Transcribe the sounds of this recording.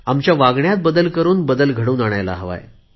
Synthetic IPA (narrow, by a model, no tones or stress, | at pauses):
amt͡ɕjaʋaɡɳjat̪̚bəd̪əlkəɾuːnbəd̪əlɡʱəɽuːnaɽ̃ajla̰ɦəʋa̰j